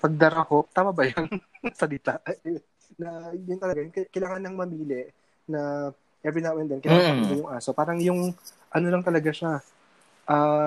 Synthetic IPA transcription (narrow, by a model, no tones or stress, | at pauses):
pɐɡ̚d̪ɐɾahok̚t̪aːmɐbɐjɐnsɐlɪt̪aʔ | nɐjʊŋt̪ɐlɐɡajʊkɐkɐjlaːŋanːɐŋmɐmiːlɛ | nɐ | ʔɛbɪnawɛnd̪ɛnkɪnaaaminɐjʊŋʔaːsopaːɾɐŋjʊŋ | ʔɐno̞lɐŋt̪ɐlɐɡaʃa | ʔaː